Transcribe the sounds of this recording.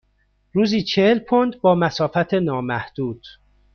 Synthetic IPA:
ɾuːziːt͡ʃʰehelpʰond̪bɒːmæsɒːfæt̪ʰenɒːmæhd̪̥uːd̪̥

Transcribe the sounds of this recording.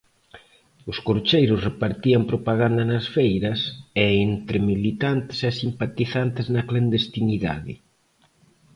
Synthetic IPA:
ʊskoɾt͡ʃejɾʊsrepaɾt̪iɐmpɾopaɣand̪ɐnɐsfejɾɐsɛent̪ɾemilit̪ant̪ɪ̥sɛsimpat̪iθant̪ɪznɐkland̪est̪iniða̰ðɪ̰

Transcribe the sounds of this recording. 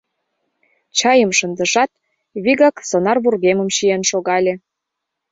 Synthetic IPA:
t͡ɕɑjəmʃə̆nd̪ə̆ʃɑt̪̚ | βiɣɑksonɑrβurɣemə̆mɕienʃoɣɑlʲe

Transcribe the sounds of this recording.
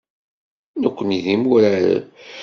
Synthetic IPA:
nəkʷːəniðimuɾaɾa̰

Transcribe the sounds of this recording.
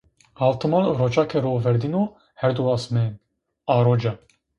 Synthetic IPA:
alt̪ʰəmalɾɔt͡ʃakʰɛɾɔvɛɾd̪inu | hɛɾd̪uasmɛːn | aɾɔd͡ʒa

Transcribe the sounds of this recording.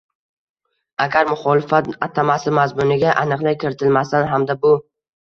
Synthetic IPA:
aɡʲaɾmʊχɒlɪfat̪at̪ʰamasɪmazmʊnɪɡʲaʔanɨqlˠajkʲʰɪɾɪt̪ʰɪlmast̪anɦamd̪abʊ

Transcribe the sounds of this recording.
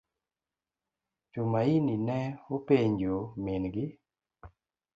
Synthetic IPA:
t͡ʃomaininɛopeɲd͡ʒomɪnɡɪ

